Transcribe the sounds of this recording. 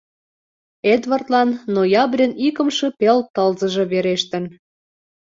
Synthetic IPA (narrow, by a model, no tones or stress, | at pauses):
ed̪βɑrt̪lɑnːojɑbrʲenikə̆mʃɤ̆pelt̪əlzə̆ʒĕβeɾeʃt̪ə̆n